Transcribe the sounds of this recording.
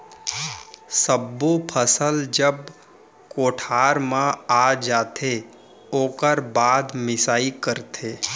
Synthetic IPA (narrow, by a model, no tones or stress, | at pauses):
səbːõpʰəsəld͡ʒəb | koːʈʰaːɾmãad͡ʒaːt̪ʰe | oːkəɾbaːd̪mɪsaːikəɾt̪ʰeː